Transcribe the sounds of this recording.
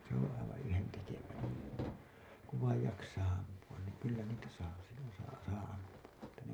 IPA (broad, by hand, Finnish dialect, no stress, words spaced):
se õː ɑiʋɑ̃ː yhentekeʋæː kuʋ ʋɑij jɑksɑː ɑmpuɑn niːŋ kylːæ niːtæ sɑː silːon̞ sɑː sɑː ɑmpuɑ etːæ ne